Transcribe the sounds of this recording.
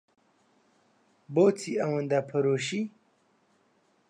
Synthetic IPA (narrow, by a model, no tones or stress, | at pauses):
boːt͡sʰiɐwɐnd̪apʰɐɾoːɕi